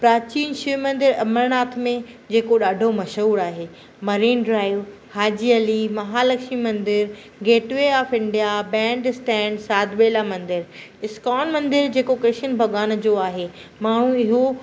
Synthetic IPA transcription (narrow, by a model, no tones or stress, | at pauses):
pɾaːt͡ɕiːnʃɪmɐ̃nd̪ɪɾɐməɾnaːt̪ʰmẽ | d͡ʑeːkoɗaːɖʱomɐʃuːɾaːɦeː | mɐɾiːnɖɾaːɪʋ | haːd͡ʑiɐlimɐɦaːlɐkʃmimɐ̃nd̪ɪɾ | ɡeːʈʋeaːfɪ̃ɳɖijabɛ̃ːɳɖɪsʈɛ̃ːɳɖsaːd̪ʱʋeːlamɐ̃nd̪ɪɾɪskaːnmɐ̃nd̪ɪɾd͡ʑeːkokɾɪʃənbʱɐɡaːnd͡ʑoːaːɦemaːɽ̤̃ũɪɦo